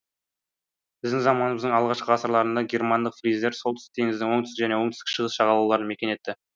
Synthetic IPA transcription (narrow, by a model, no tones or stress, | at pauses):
b̥ɪzd̪ɪŋzɑmɑnəməzd̪əɴɑlˠʁɑʃqəʁɑsəɾlˠɑɾənd̪ɑɡʲe̞rmɑnd̪əqfrijzd̪e̞ɾso̞lˠt̪ʏ̥sɪt̪ʰeŋɪzd̪ɪŋwo̞ɴt̪ʏst̪ɪʒæne̞woɴt̪ɪskʲɪ̥ʃəʁəsʃɑʁɑlˠɑwlˠɑɾəme̞kʲe̞ne̞t̪ːɪ